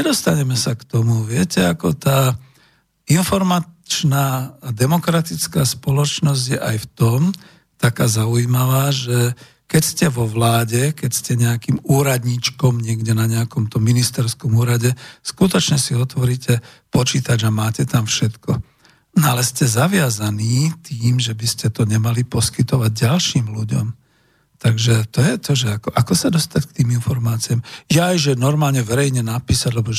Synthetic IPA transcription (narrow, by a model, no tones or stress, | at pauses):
ɲɛd̪ɔst̪aɲɛmɛsakt̪ɔmuʋɪɛcɛakɔt̪aː | infɔɾmat͡ʃnaːd̪ɛmɔkɾat̪it͡skaːspɔlɔt͡ʃnɔzɟjɛʔajft̪ɔm | t̪akaːzauimaʋaːʒɛ | kɛcscɛʋɔʋlaːɟɛkɛcscɛɲɛakiːmuːɾad̪ɲiːt͡ʃkɔmɲɪɛɡɟɛnaɲɛakɔmt̪ɔmːinist̪ɛɾskɔmuːɾaɟɛskut̪ɔt͡ʃɲɛsiɔt̪ʋɔɾiːcɛ | pɔt͡ʃiːt̪ad͡ʒamaːcɛt̪amfʃɛt̪kɔ | nɔalɛscɛzaʋɪazaniːt̪iːmʒɛbiscɛt̪ɔɲɛmalipɔskit̪ɔʋaɟɟalʃiːmluɟɔ̰m | t̪aɡʒɛt̪ɔjɛt̪ɔʒɛakɔʔakɔsad̪ɔst̪ack̚t̪iːminfɔɾmaːt͡siaːmjaːjʒɛnɔɾmaːlɲɛʋɛɾɛjɲɛnapiːsaɟlɛbɔ